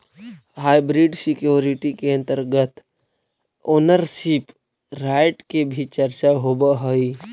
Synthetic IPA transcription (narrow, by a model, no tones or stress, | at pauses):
haːjbɾiɖsɪkjoːɾiʈikeə̃nt̪əɾɡət̪ | oːnəɾʃip | ɾaːɪʈkebʱit͡ʃəɾt͡ʃaɦobaɦoi